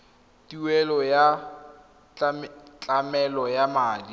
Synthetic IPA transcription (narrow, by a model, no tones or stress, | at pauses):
tiwɛlɔja | t͡ɬʼamɛlɔjamaːdi